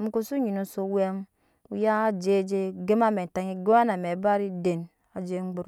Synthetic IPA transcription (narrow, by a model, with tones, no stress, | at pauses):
m̩˨˦ko˦su˦ɲi˨nu˨so˦we˦m | ṵ˦ja˦a˦d͡ʒe˦˨˦d͡ʒe˦ɡe˦ma˦me˨ta˨ŋi˦ɡe˦ma˦na˨me˨˦ba˦ɾi˦de˨n | a˨d͡ʒe˦ŋ͡mɡ͡be˦ɾ